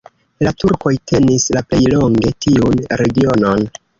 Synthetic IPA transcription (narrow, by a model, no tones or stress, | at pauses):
latuɾko̞jtʰe̞nislaple̞jlo̞ŋɡe̞tiunɾe̞ɡio̞no̞n